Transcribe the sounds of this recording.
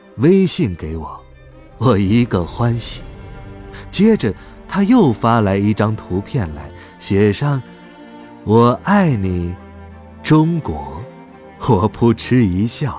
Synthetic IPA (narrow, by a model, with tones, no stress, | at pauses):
we˥ɪɕi˥˩ŋke˧˥ɪwɔ˨˩˦ | wɔ˨˩i˧˥ɡə˧xwa˥nɕi̥˨˩˦ | t͡ɕjɛ˥ʈ͡ʂə˨ | t̪ʰa˥jo˥˩ʊfa˥la˧˥ɪi˥˩ʈ͡ʂɑ˥ŋt̪ʰu˧˥pʰjɛ˥˩nla̰˧˥ɪ | ɕjɛ˨˩ʂɑ˥˩ŋ | wɔ˨˩a˥˩ɪni˨˩ | ʈ͡ʂʊ˥ŋkwɔ˧˥ | wɔ˨˩pʰu˧˥ʈ͡ʂʰɻ̩˥i˧˥ɕjɑ˥˩